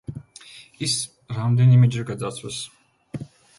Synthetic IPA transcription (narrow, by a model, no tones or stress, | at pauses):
is | ɾamd̪ɛnimɛd͡ʒɾɛɡad̪at̪sʰwɛs